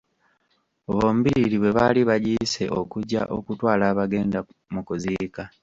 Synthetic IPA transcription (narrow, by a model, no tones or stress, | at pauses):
oβo̞ːmuβiɾiɾiβwe̞βaliβaɟiːse̞̰ʔo̞kuɟa̰ʔo̞̰kutwaːlaːβaɡe̞ːnda | mukuziːka